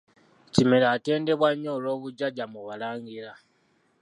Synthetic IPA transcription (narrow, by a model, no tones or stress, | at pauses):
cimelaːte̞ːnde̞βwaɲːoːlo̞ːβuɟaɟamuβalaːŋɡiɾa